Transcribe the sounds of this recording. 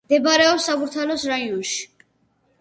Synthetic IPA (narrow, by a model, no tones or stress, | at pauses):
d̪ɛbaɾɛɔpsabuɾt̪ʰalɔsɾaiɔnʃi̥